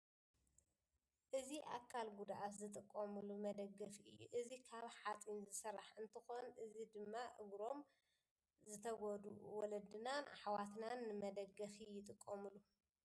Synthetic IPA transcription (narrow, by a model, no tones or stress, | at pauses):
ʔɨziʔa̰kʰːalɡud̪ʔat̪zɨt̪ʼɨkʼːɐmɨlumɐd̪ɐɡːɐfiʔɨjːṵʔɨzikʰaβħat̪ʼinzɨsɨɾaħɨnt̪ʰɨxo̞nʔɨzid̪ɨmːaʔɨ̰ɡɾo̞m | zɨt̪ʰɐɡod̪uwɔlɐd̪ɨnanħwat̪nanːɨmɐd̪ɐɡɐfijɪt̪ʼɨkʼːɐmɨlːu